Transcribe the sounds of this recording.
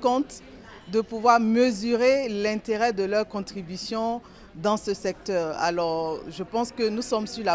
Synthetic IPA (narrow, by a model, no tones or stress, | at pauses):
kɔ̃t̪ | d̪əpuvwaʁməzyʁelɛ̃t̪eʁɛd̪əlœʁkɔ̃t̪χibysjɔ̃ | d̪ɑ̃səsɛk̚t̪œʁa̰lɔʁʒəpɑ̃skənusɔmsyʁla